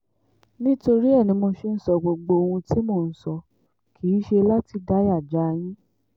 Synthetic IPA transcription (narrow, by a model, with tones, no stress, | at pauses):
nĩ˦to˧ɾi˦ɛ˦˨nĩ˨˧mo˧ʃe˦˧n̩˨sɔ˧ɡ͡bo˧ɡ͡bo˧o˧wũ˧ti˦mo˧˨n̩˨˦sɔ˧ | kʰi˨˦ʃe˧la˦ti˧da˨˦ja˦˨d͡ʒa˨˦˧j̃ĩ˦